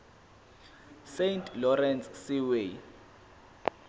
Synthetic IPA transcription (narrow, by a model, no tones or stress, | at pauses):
sentʰʼlɔrɛnt͡ssiwe